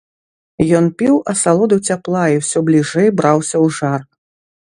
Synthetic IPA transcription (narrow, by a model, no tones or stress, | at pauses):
jɔnpʲiwɐsalˠɔd̪ɐwt͡sʲaplˠajiwsʲɔblʲiʐɛjbɾawsʲɐwʐar